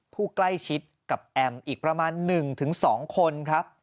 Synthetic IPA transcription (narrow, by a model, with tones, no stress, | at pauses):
pʰuː˥˩kla˥˩jt͡ɕʰi˦˥t̪̚ka˨˩p̚ʔɛ˧mʔiː˨˩k̚pɾa˧maː˧nːɯ˨˩ŋt̪ʰɯ˩˦ŋsɔː˩˦ŋkʰo˧nkʰɾa˦˥p̚